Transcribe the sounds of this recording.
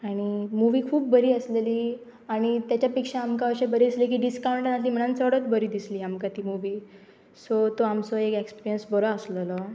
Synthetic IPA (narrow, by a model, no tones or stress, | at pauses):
aɽ̃imuʋiːkʰuːp̚ːəɾiːəsleliː | aɽ̃it̪jat͡ɕjapikʂaːmkaəɕebəɾiːd̪islik̬iːɖiskawɳʈnasliːm̤əɳ̃ant͡səɽət̪bəɾiːd̪isliːamkat̪iːmuʋiː | sot̪oamt͡soekekspiɾijənsbəɾəəslələ